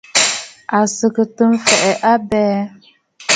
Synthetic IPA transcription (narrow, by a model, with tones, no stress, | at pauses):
a˨sɨ˨kɨ˨tɨ˦m˦fɛ˨ʔɛ˨ʔa˦bɛː˦